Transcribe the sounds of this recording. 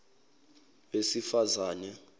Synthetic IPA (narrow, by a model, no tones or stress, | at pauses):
esifazaːnɛ